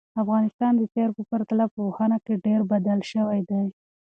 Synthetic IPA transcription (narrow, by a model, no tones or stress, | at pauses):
afɣɑnɪst̪ɑnd̪ət̪eɾpəpaɾt̪alapəhanakeɖeɾbad̪alʃəwajd̪aj